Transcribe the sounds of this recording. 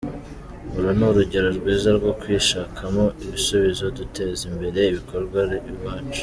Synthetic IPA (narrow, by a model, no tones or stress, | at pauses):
uɾunuɾuɟe̞ɾoɾɡwiːzaɾɡo̞kwiːʃaːkʰamo̞iβisuβizo̞dute̞ːzimbe̞ɾe̞iβiko̞ɾɡwaɾiβaːt͡ʃu̥